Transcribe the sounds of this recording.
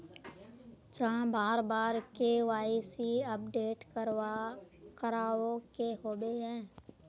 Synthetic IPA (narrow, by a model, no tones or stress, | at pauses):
d͡ʒaãbaːɾbaːɾkeʋaːisiəp̚ɖeːʈk | kəɾaːokeɦoːbeɦɛ̃ː